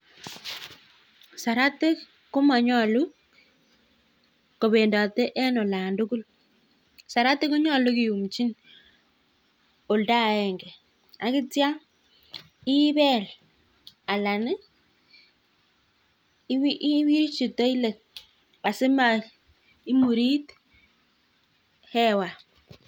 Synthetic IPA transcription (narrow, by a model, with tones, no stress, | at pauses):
sa˨ɾa˦te˦k | ko˦ma˨ɲɔ˦lu˦ | ko˨βe˨nda˨tɛ˦ʔɛ˦nɔ˨la˨ndu˦ku˦l | sa˨ɾa˦te˦ko˦ɲɔ˦lu˦kɪ˨ju˨mt͡ʃi˦n | o˨lda˦˨ɛ˨ŋɡɛ˨ | a˦ki˦tja˦ | i˦βɛ˦˨l | a˨la˨nɪ˦ | wi˦ʔwi˦ɾt͡ʃi˨tɔ˦i˦le˨ | pa˨sɪ˦ma˦ | i˦mu˨ɾi˦t | hɛ˦wa˨